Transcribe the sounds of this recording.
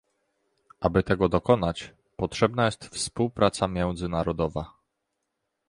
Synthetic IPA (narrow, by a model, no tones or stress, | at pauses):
ʔabɘt̪ɛɡɔd̪ɔkɔn̪at͡ɕ | pɔtʂɛbnajɛst̪fspuwpɾat̪samʲjɛ̃w̃d̪zɘnaɾɔd̪ɔva